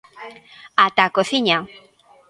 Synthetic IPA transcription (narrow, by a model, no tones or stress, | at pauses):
at̪akoθiɲa